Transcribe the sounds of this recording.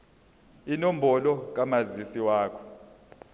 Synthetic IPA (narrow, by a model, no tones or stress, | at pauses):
inom̩bʱɔlɔk̬amazisiwaːkʰɔ̥